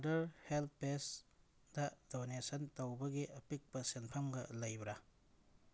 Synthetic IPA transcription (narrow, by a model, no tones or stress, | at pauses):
dɐɾhelt̪̚pes | dɐdonesɐntowbɐɡiʔɐpik̚pɐsenpʰɐmɡɐlɐjbɾa